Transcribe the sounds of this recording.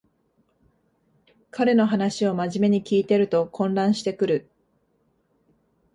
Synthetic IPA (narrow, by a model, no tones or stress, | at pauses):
kaɾe̞no̞ɦanaɕio̞maʑime̞ɲ̟ikʲiːt̪e̞ɾɯ̟t̪o̞kʰõ̞nɾãɰ̃ɕi̥t̪e̞kɯ̟ɾɯ̟